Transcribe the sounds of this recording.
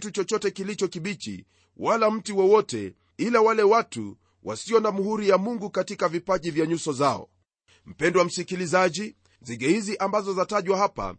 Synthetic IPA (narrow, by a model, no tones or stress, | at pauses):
tut͡ʃɔt͡ʃɔtɛkilit͡ʃɔkiɓit͡ʃḭ | walam̩tiwɔwɔtɛ̰ | ilawalɛwatṵ | wʔa̰siɔnamuɦuɾijamuŋɡukatikavipaʄivjaɲusɔzaɔ̰ | m̩pɛndwam̩sikilizaʄi | ziɡɛhiziʔambazɔzataʄwaɦapa̰